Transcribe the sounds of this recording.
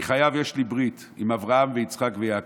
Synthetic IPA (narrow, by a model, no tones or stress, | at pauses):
χajavjeʃlibʁit̪ | imavʁahamveit͡sχakvejaːk